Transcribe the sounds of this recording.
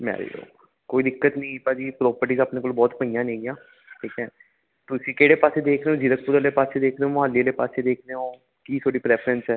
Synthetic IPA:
mɛ̰ːɾḭːlo̰ː | koːiːd̪ɪkːət̪nĩːpad͡ʒiːpɾɔːpəɾʈiːzaːpneːkoːlbɔːt̪pəijãːnẽːɡɪjãː | ʈʰiːkɛ̃ː | t̪ʊsĩːkeːɽeːpaːseːd̪eːkʰɾeːõːd͡ʒɪlək̚pʊɾəɾleːpaːseːd̪eːkʰdeːõːmɦaːlileːpaːseːd̪eːkʰneːõː | kiːt̪ʰoːɽiːpɾɛːpʰɾənsɛː

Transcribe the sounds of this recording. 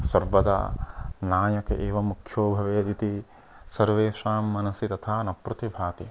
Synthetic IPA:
sɐɾbɐd̪a̰naːjɐkɐ̰ʔeːʋɐmukʰjoːbʱɐʋeːd̪it̪i | sɐɾʋeːʂaːmːɐnɐsit̪ɐt̪ʰaːnɐpɾɐt̪ibʱaːt̪i

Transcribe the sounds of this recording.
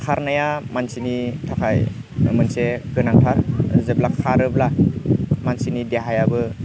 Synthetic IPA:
kʰaɾnajamansinitʰakʰaj | ɯ̰mɯnseɡɯnaŋtʰaɾzɯb̚lakʰaɾɯbla | mansinideɦajabɯ

